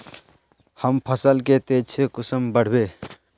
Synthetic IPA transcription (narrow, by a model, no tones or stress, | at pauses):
həmpʰəsəlket̪ed͡ʒt͡ʃʰekʊsəmbəɽ̤be